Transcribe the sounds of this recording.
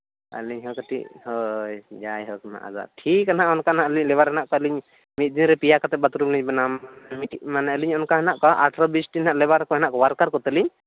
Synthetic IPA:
ə̰liɲɦɔkat̪ḭʔhɔjd͡ʒajɦɔkana̰ʔa̰za̰ʈʰikːanaʔɔnkanaʔəliɲlɛβaɾhɛnaʔkɔəliɲ | mit̪̚ˀd̪inɾɛpijakat̪ɛbat̪ɾubliɲbɔnamanɛmitmanɛəliɲɔnkaɦɛnaʔkɔʔaʈɾɔbisʈinaʔlɛβaɾkɔhɛnaʔkɔwaɾkaɾkɔt̪əliɲ

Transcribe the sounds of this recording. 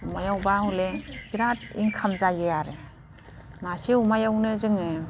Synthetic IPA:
umajawbaɦuleɡiɾat̚iŋkʰamzajejaɾe | masiumajawnɯzɯŋɯ

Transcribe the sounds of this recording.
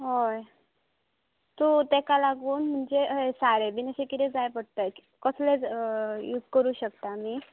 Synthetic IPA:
ɦoj | t̪ut̪ekalaɡuːnm̤əɳd͡zeəɦesaɾeʋineɕekit̪ed͡zajpəɽt̪ək | kəslejut̪kəɾuːɕəkt̪amiː

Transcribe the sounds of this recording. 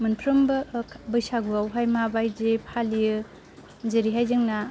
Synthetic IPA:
mɯnpʰɾɯmbɯbɯjsaɡuawɦajmabajd͡ʒepʰaliɯ | zeɾiɦajzɯŋna

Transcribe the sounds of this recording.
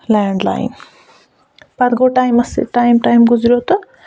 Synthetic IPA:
laːɳɖla̰ːj̰n | pɐd̪ɡoːʈaːjmɐsḭʈaːjmʈaːjmɡuzɾot̪ɨ

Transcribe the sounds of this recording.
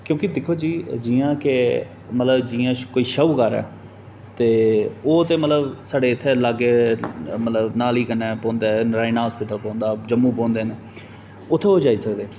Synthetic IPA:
kjõːkɪd̪ɪkʰːoːd͡ʒiːd͡ʒijãːke | mət̪ləbd͡ʒɪːãːkoːiːʃəuːkəɾɛ̰ː | t̪eːoːt̪eːmət̪ləbsaːɖeːɪt̪ʰːeːlaɡeːmət̪ləbnaːliːkənɛːpɔ̃ːnd̪eːɾaːinaːɦɔːspɪːʈəlpɔ̃ːnd̪aːd͡ʒəmːũːpɔ̃ːnd̪eːne | ʊt̪ʰːeːoːd͡ʒaːiːsəkd̪eː

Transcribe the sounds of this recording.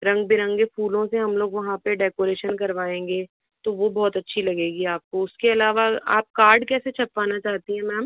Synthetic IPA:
ɾɐ̃ŋɡbiɾɐ̃ŋɡefuːlõseɦɐmloːɡʋɐɦãpeɖɛːkoːɾeːʃənkɐɾʋaːẽːŋɡeː | t̪oʋobɔːt̪ɐtːʃʰilɐɡeːɡiaːp̚koʊskeɐlaːʋaa̰ːp̚kaːɾɖkɛːset͡ʃʰɐpːaːnat͡ʃaːɦt̪iɦɛ̃mɛ̃ːm

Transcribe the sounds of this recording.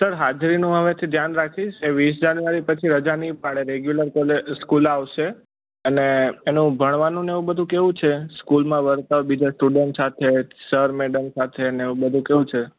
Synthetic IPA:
səɾɦad͡ʒɾinũɦəʋet̪ʰid̪ʱjanɾakʰiʃeʋis̬d͡ʒanuʋaɾipət͡ʃʰiɾəd͡ʒanipaɽeɾeɡjuləɾkəlskulaʋʃe | əneːnũbʱəɳ̃ʋanũneeʋũbəd̪ʱũkeʋũt͡ʃʰeskulmãʋəɾt̪aʋbid͡ʒasʈuɖəɳʈsat̪ʰesəɾmeɖəmsat̪ʰeneeʋũbəd̪ʱũkeʋũt͡ʃʰe

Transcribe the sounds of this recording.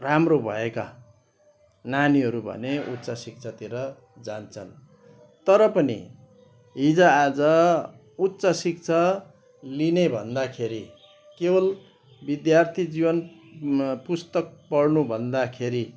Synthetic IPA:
ramrobʱʌ̰eka̰ | naniɦʌɾubʱʌ̰neut̪ːt͡sasik̚t͡sʰat̪iɾʌ | d͡zant͡sʰʌn | t̪ʌɾʌpʌnḭ | ɦid͡zʌ̃ad͡zʌ | ut̪ːsasik̚t͡sʰʌ | linebʱʌnd̪akʰeɾi | kebʌl | bid̪jart̪ʰid͡zibʌn | pust̪ʌk̚pʌɽnubʱʌnd̪akʰeɾi

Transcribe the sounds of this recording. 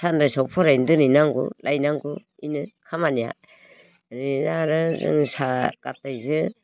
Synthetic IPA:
sanɾajsawpʰɔɾajndɯnijnaŋɡṵlʔajnaŋɡu | inɯkʰamanija̰ | ɾinaɾɯzɯ̰ŋsakap̚tajzɯ

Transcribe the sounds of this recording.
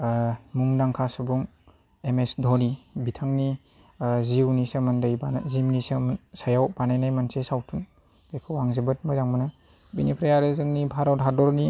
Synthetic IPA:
muŋdaŋkʰasɯbuŋ | emesdʱɔnibitʰaŋni | ziwnisɯmɯndɯjbanzimnisɯmnsajawbanajnajmansesawtʰun | b̥ejkʰɯwaŋzɯbɯt̚mɯjzaŋmɯnɯ | binipʰɾajaɾɯzɯŋnibʱaɾɔwdʰʱadɔɾni

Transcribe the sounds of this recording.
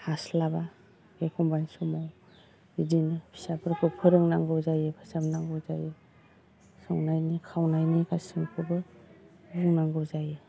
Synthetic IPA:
haslaba | ɡekʰɔmbajnsumaw | idinɯpʰi̥sapʰɯɾkʰɯpʰɯɾɯŋnaŋɡɯzajɯpʰḁsamnaŋɡɯza̰jɯ | sɯwnajnikʰawnajnikʰasɯŋpʰɯbɯ | buŋnaŋɡɯzajɯ

